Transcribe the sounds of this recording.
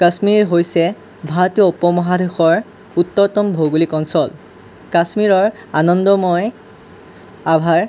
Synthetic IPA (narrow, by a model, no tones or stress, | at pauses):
kasmiɹɹɦojsɛ | bʱaɹtijɔupɔmɔɦadʱexɔɹ | utːɔɹtɔmbʱoɡulikɔnsɔl | kasmiɹɔɹ | anɔndɔmɔj | abʱaɹ